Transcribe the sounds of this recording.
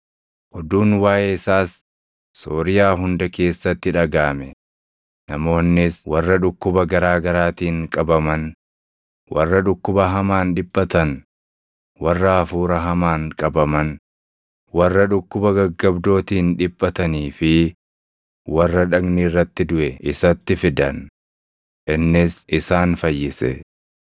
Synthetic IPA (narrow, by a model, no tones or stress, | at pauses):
ʔɔd̪uːnwaːjɛɪsaːsː | oːɾɪjaːɦʊnd̪ɐke̞ːsːɐt̪ːɪᶑɐɡaːmɛ | nɐmo̞ːnːɪswɐrːɐᶑʊkːʊbɐɡɐɾaːɡɐɾaːt̪iːŋkʼɐbɐmɐn | wɐrːɐᶑʊkːʊbɐɦɐmaːnᶑɪbʼːɐt̪ɐn | wɐrːɐːfuːɾɐɦɐmaːŋkʼɐbɐmɐn | wɐrːɐᶑʊkːʊbɐɡɐɡːɐbd̪o̞ːt̪iːnᶑɪbʼːɐt̪ɐniːfɪ | wɐrːɐᶑɐɡniːrːɐt̪ːɪd̪ʊʔɛʔɪsɐt̪ːɪfɪd̪ɐn | ʔɪnːɪsʔɪsaːnfɐjːɪsɛ̰